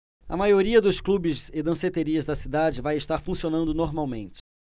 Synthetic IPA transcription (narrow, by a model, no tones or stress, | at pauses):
ɐ̰majoɾiɐd̪ʊsklubɪzɪd̪ɐ̃set̪eɾiɐzd̪ɐsid̪ad͡ʒɪvajɪʃt̪aɾfũsionɐ̃nd̪ʊnoɾmawmẽnt͡ʃɪ̥